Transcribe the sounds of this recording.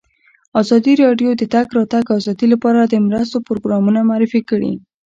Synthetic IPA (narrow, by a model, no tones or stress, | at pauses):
ɑzɑd̪iɾɑɖjod̪ət̪aɡɾɑt̪aɡɑzɑd̪ilapɑɾad̪əmɾəs̬t̪opɾoɡɾɑmunamaɾɪfikəɽḭ